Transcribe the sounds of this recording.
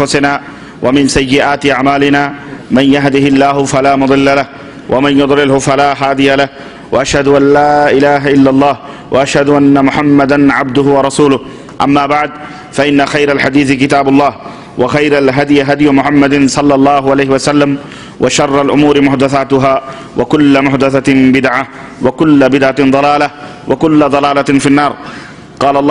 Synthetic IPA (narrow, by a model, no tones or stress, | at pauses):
fʊsɪnaː | wʔamɪnsajːɪʔaːt̪ɪʔaʕmaːlɪnaːmanjaɦd̪ɪhɪlːaːhʊfalaːmʊd̪ˤɨlːalah | wʔamanjʊd̪ˤlɪlhʊfalaːɦaːd̪ɪjalah | waʔaʃhad̪ʊʔanːaːʔɪlaːɦaʔɪlːalˤːɑːhwaʔaʃhad̪ʊʔanːamʊħamːad̪anʕab̚d̪ʊhʊwɑɾˤɑsuːlʊh | ʔamːaːbaʕd̪ | faʔɪnːaxajɾalħad̪iːθɪkɪt̪aːbʊlˤːɑːh | waxajɾalɦad̪jɪɦad̪jʊmʊħamːad̪sˤɑlːɑlˤːɑːɦʊʕalajhɪwasalːam | wʔaʃɑrˤːɑlʔʊmuːɾɪmʊħd̪aθaːt̪ʊɦaː | wakʊlːamʊħd̪aθabɪd̪ʕa | wakʊlːabɪd̪ʕand̪ˤɑlaːla | wʔakʊlːad̪ˤɑlaːlafinːɑːɾˤ | qɑːlaː